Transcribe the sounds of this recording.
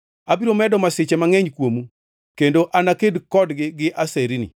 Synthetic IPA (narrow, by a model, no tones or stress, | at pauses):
abiɾomɛdɔmasɪt͡ʃɛmaŋɛɲkwomu | kendoʔanakedkɔdɡɪɡɪʔaseɾinḭ